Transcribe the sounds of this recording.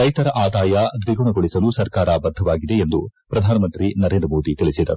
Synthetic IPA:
ɾɐjt̪ɐɾɐʔaːd̪aːjɐd̪ʋiɡuɳɐɡoɭisɐlusɐɾkaːɾɐbɐd̪ʱːɐʋaːɡid̪e̞ːnd̪upɾɐd̪ʱaːnɐmɐnt̪ɾinɐɾe̞ːnd̪ɾɐmoːd̪it̪iɭisid̪ɐ̰ɾu

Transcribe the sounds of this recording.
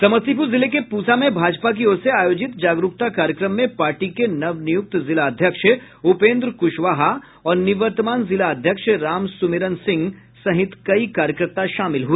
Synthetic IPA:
sɐməst̪ipuzɪlekepuːt͡ʃamẽbʱaːd͡ʒpak̬ioːɾseaːjoːd͡ʒɪt̪d͡ʒaːɡɾʊk̚t̪akaːɾjəkɾəmːẽpaːɾʈikenɐʋnijʊk̚t̪zɪlaɐd̪ʱjəkʃ | ʊpẽːnd̪ɾkʊʃʋaːɦa | ɔːɾnɪʋəɾt̪əmaːnzɪlaɐd̪ʱjəkʃɾaːmsʊmɪɾənsɪ̃ŋɡ | sɐɦɪt̪kɐikaːɾjəkɾəɾt̪aʃaːmɪlɦui

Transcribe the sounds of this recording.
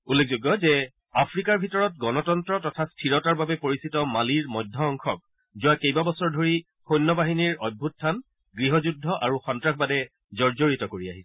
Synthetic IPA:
ulːek̚ʰzuɡɔzɛ | apʰɹikaɹbʱitɔɹɔt̚ɡɔnɔtɔntɹɔtɔtʰastʰiɹɔtaɹbabɛpoɹisitɔmaliɹmɔjdʱːɔːŋkʰɔk̚ | zʊwakejbabɔsɔɹdʱoɹi | xojnːɔbaɦiniɹɔj̚bʱut̚tʰːan | ɡɹiɦɔzudʱːɔʔaɹuxɔntɹakʰbadɛ | zɔɹzoɹitɔkoɹiaɦisɛ̥

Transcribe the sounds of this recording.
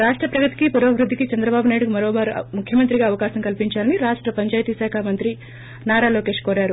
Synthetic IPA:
ɾaːʂʈɾɐpɾɐɡɐt̪i̥kipuɾɐːʋɾud̪ʱːikit͡ʃɐnd̪ɾɐbaːbunaːjɽukumɐɾoːbaːɾṵmukʰjɐmɐnt̪ɾiɡaːɐʋɐkaːɕɐŋkɐlpiɲt͡ʃaːɐniɾaːʂʈɾɐpɐɲt͡ʃaːjt̪isaːkʰaːmɐnt̪ɾi | naːɾaːloːke̞ːʂkoːɾaːɾu

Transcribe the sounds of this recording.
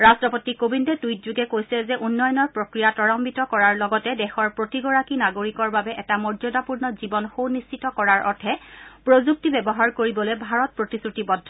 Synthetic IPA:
ɹastɹɔpotikobindɛtujtzuɡɛkojsɛzɛʔunːɔjɔnɔɹpɹokɹijatɔɹɔmbitɔkɔɹaɹlɔɡɔtɛdɛxɔɹpɹotiɡɔɹakinaɡoɹikɔɹbabɛʔɛtamɔɹzɔdapuɹnɔzibɔnxownist͡ʃitɔkɔɹaɹʔɔ̰tʰɛpɹozuk̚tibɛbɔɦaɹkoɹibɔlɛbʱaɹɔt̚pɹotisutibɔdʱːɔ

